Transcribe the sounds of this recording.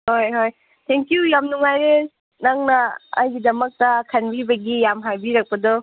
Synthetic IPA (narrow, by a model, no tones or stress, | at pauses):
hojɦoj | t̪ʰeŋkjujamnuŋajɾe | naŋnɐɐ̰jɡidɐmɐk̚tɐkʰɐnbibɐɡijamɦajbiɾɐk̚pɐdɔ